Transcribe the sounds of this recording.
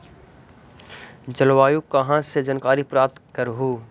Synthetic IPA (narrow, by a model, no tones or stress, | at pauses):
d͡ʒəlʋaːjukɐɦãsed͡ʒənkaːɾipɾaːp̚t̪kəɾɦuː